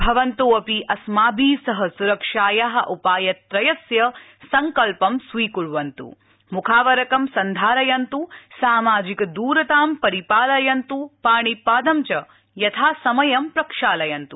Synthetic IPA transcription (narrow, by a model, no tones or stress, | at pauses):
bʱɐʋɐnt̪oːɐpiʔɐsmaːbʱiːsɐɦɐsuɾɐkʂaːjaɦɐ̆ʔupaːjɐt̪ɾɐjɐsjɐ | sɐŋkɐlpɐmsʋiːkuɭʋɐnt̪ṵ | mukʰaːʋɐɾɐkɐmsɐnd̪ʱaːɾɐjɐnt̪usaːmaːd͡ʒikɐd̪uːɾɐt̪aːmpɐɾipaːlɐjɐnt̪upaːɳipaːd̪ɐmt͡ʃɐ | jɐt̪ʰaːsɐmɐjɐmpɾɐkʂaːlɐjɐnt̪u